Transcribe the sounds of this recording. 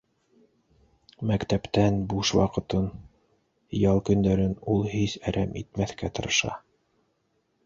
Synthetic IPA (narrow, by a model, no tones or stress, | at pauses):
mækt̪æpt̪ænbuʃwɑ̰qɤ̆t̪ɤn | jɑlˠkɵ̆nd̪æɾɘnulˠhisæɾʔæmʔḭt̪̚mæθkæt̪ɤ̆ɾɤ̆ʃɑ̰